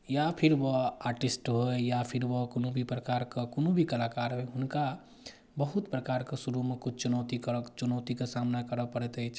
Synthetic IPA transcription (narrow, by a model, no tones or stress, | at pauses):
japʰiɾbɔaɾʈisʈɦojapʰiɾbɔkonobʱipɾəkaɾkekonobʱikəlakaɾɦojɦunka | bəɦut̪pɾəkaɾkesuɾumekut͡ʃʰt͡ʃunət̪ikət͡ʃunəʊt̪ikesamnakəɾəpəɽɛt̪ət͡ʃʰ